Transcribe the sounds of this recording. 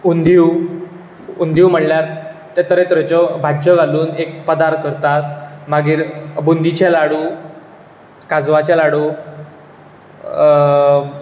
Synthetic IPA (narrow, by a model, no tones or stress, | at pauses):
und̪ʱiw | und̪ʱiwm̤əɽljaɾt̪t̪et̪əɾet̪ɾət͡ɕɔbʱad͡ʑəɡaluːnek̚pəd̪aɾkəɾt̪at̪̚maɡiːɾbund̪it͡ɕalaɽuː | kad͡zʋat͡ɕalaɽuː